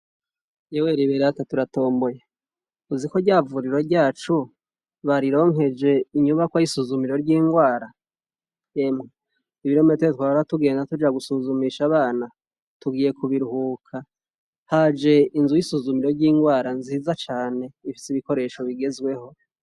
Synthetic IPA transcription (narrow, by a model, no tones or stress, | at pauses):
jeweɾiβeɾatatuɾato̞ːmbo̞je | uziko̞ɾɟaːvuɾiɾo̞ɾɟaːt͡ʃu | βaɾiɾo̞ːŋe̞d͡ʒe̞iɲuβakwajisuzumiɾo̞ɾɟiːŋɡwaːɾa | eme | iβiɾometweetwaβaaotuɡe̞ːndatud͡ʒeaɡusuzumiʃaβaːna | tuɡiːje̞kuβiɾuhuːkʰa | had͡ʒe̞inzujisuzumiɾo̞ɾɟiːŋɡwaːɾanziːzat͡ʃaːne̞ifi̥siβiko̞ɾe̞ʃo̞βiɡe̞zɡwe̞ho̞